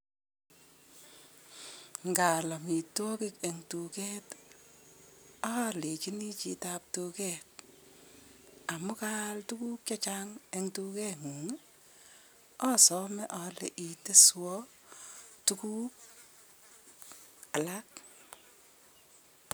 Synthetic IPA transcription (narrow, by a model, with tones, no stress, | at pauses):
ŋɡa˨lɔ˨mi˨to˦ki˦ke˨ŋtu˨kɛ˦t | ɔ˦le˨t͡ʃi˦ni˦t͡ʃitap̚to˧kɛt̚ | a˨mʊ˦ka˦ltukuː˦k̚t͡ʃa˦t͡ʃaŋe˦ŋtu˦kɛ˦ŋu˨ŋe˦ | ɔ˦sɔ˦mɛ˦ʔɔlḛ˨ʔi˨te˦swɔ˦ | tu˦ku˦k | a˨lak̚